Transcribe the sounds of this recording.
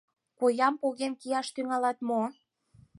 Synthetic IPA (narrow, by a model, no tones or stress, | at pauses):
kojɑmpoɣenkijɑʃt̪yŋɑlɑt̪mo